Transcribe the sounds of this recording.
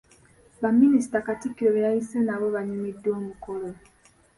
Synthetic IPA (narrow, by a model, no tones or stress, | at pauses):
βaminisi̥takatikːiɾoβeɾaisenaβoβaɲimidːwoːmukolo